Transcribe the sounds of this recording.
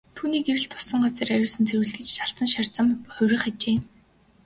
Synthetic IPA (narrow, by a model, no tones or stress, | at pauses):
t̪ʰuːniːɡeɾɘ̆ɮt̪ʰʊ̥sə̆ŋɢat͡seːɾajʊːsə̆nt͡sʰeɾwɘ̆ɮɘ̆t͡ɕtaɬt̪ə̆nʃar̥t͡sə̆mχʊwɾʲɪ̆χat͡ɕeː